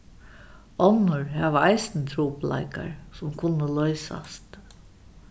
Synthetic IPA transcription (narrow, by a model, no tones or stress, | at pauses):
ɔnʊɹhɛʋəaɪsnət̪ʰɾuːpla̰ɪka̰ɹsʊmkʰʊnːəlœʏsa̰st̪